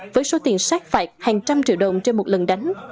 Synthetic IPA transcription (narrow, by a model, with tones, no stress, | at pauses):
vəː˨˦jso˨˦t̪i˨˩ənsaː˦˥k̚faː˧˩jk̚haː˨˩ŋt͡ɕa˧mt͡ɕḭ˧˨əwɗə˨˩wŋ͡mt͡ɕe˧nmo˨˩t̚lə̰˨˩nɗa˨˦jŋ̟